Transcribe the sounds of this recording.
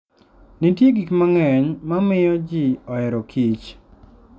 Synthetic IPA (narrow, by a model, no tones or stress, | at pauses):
nitjeɡikmaŋɛɲmamɪjɔd͡ʒiɔɛɾɔkʰit͡ʃ